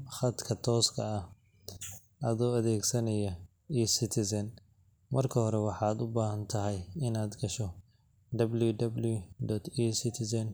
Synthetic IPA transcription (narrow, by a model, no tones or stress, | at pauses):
χɐd̪kʰɐt̪ʰɔːskʰɐɐh | ʔɐðɔːɐðɛːɡsɐnɐjɐ | iːsɪt̪ʰɪsɐn | mɐrkʰɐhɔɾɛwɑħɑːd̪ʊbaːɦɐnt̪ʰɐɦɛjɪnaːd̪ɡɐʃɔ | d̪ɐbljʊd̪ɐbljʊd̪ɔt̪ʰiːsɪt̪ʰɪsɐn